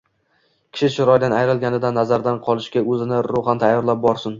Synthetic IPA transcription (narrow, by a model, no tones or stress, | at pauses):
kʲʰɪ̥ʃɪʃɪɾɒjd̪anajɾɪlˠɡʲanɪd̪anːazaɾd̪anqʰɒlˠɪʃkʲaɵzɪnɪɾʊhant̪ʰajːɒɾlap̚bɒɾsɪn